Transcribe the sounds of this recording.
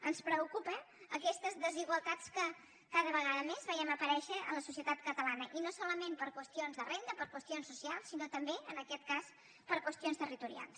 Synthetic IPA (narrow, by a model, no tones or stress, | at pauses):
ənspɾəukupə | əkɛst̪əzðəziɣwəlˠt̪at͡skə | kaðəβəɣ̞aðəmezβəjɛməpəɾɛʃəələsusiət̪at̪kət̪əlanəʔinosɔləmempəɾkwəst̪ionzðərend̪əpəɾkwəst̪ionsːusialˠsːinot̪əmbeənəkɛt̪̚kas | pəɾkwəst̪ionst̪ərit̪uɾia̰lˠs